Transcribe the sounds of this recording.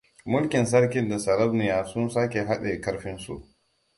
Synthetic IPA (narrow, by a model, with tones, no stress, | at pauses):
mʊ˦lkʲɪ˨ns̬ɐ˦ɾk̬ʲɪ˦nda˨sɐ˨ɾɐ˦bnɪ˨jaː˨sʊ˦nsaː˦k̬ʲe˨ɦa˦ɗe˨kɐ˦ɾɸɪ˦nsṵ˨ʔ